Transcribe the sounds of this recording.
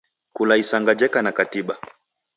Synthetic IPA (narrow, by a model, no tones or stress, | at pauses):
kulaisaŋɡad͡ʒɛkanakatiɓa